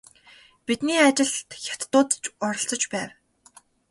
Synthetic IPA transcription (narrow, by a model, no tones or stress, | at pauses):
pit̪niːat͡ɕɪ̆ɮt̪xʲḁt̪ːʊːt̪t͡ɕɔɾɞ̆ɬt͡sɞ̆t͡ɕpæːw